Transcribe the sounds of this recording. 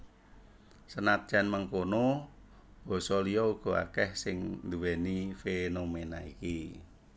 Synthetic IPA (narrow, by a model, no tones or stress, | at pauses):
sənat̪̚d͡ʒ̥ɛnmaŋkono | b̥ɔ̤sɔlijɔuɡ̥ɔ̤a̰kɛhsɪŋnd̪uwenifenomenaiki